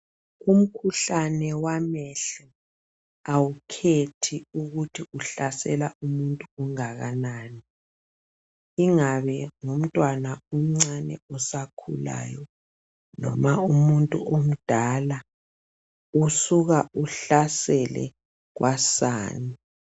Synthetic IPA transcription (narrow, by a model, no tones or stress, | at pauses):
um̩kʰuɬanɛwamɛɬɔ | awukʰetʰiuɣutʰiuɬasɛlaumuntʼuuŋaɣa̰naːni | iŋaβɛŋum̩tʼwanaum̩ŋ͡ǀanɛ̰ɔsakʰṵla̰ːjɔ | nɔ̰maumuntʼṵʔom̩d̥ʱala | usuɣauɬasɛlɛ̰ | ɣwʔasa̰ːni